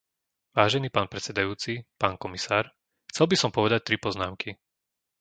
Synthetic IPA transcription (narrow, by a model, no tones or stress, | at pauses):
ʋaːʒɛniːpaːnpɾɛt͡sɛd̪ajuːt͡sipaːnkɔmisaːɾ | xt͡sɛlbisɔmpɔʋɛd̪ac̚t̪ɾipɔznaːmki